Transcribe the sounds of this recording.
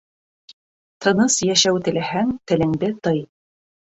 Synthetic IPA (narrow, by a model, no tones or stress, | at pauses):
t̪ʰɤ̆nɤsjæʃæwt̪ɘ̆læhæŋt̪ɘ̆lɘ̆ŋd̪ɘt̪ɤj